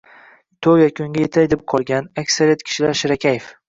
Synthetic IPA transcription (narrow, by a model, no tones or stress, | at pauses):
t̪ʰowjakʲʰʊŋɡʲajet̪ʰajd̪ɪp̚qʰɒlˠɡʲanakʲsaɾijat̪kʲʰɪ̥ʃɪlaɾʃɪɾakʲʰajef